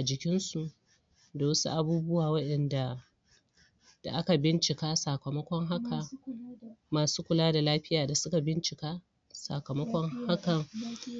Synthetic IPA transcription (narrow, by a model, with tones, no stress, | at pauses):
ʔa˨d͡ʒɪ˨kʲɪ˦nsu˨ʔ | da˨wɐ˦sṵ˦ʔa˨buː˦bʊ˦waː˨wɐ˦ɗɛ˨nda˨ | d̥a˨ʔa˦ka˨bɪ˦nt͡ʃɪ˨kaː˦sa˨kɐ˨mɐ˦kʷɔ˦ŋɦa˦ka˨ | maː˨suː˦kʷʊ˨laː˦da˨laː˦ɸɪ˦jaː˨da˨sʊ˦ka˨bɪ˦nt͡ʃɪ˨kaː˦ | sa̰˨kɐ˨mɐ˦kʷɔ˦ŋha˦kɐ˨ŋ